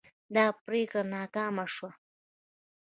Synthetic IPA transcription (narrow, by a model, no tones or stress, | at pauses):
d̪ɑːpɾekɽanɑːkɑːmaʂwa